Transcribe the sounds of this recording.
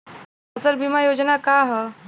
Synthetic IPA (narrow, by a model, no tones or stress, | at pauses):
əsəɾbimajod͡ʒnakaɦɛ